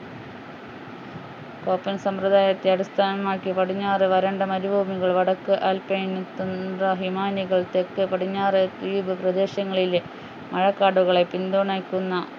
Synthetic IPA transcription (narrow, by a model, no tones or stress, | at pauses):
ko̞ːpːɐnsɐmprɐd̪aːjɐt̪ːeɐɽist̪ʰaːnɐmaːkːipɐɽiɲːaːrɨʋɐɾɐɳɖɐmɐɾubʱuːmiɣɐɭʋɐɽɐkːɨʔaːlpenit̪ːund̪rɐɦimaːniɣɐɭt̪ekːɨpɐɽiɲːaːrɨt̪iːbɨprɐd̪e̞ːɕjɐŋːɐɭil | mɐɻɐkːaːɽuɣɐɭe̞pind̪oːɳaːjkʲːunːɐ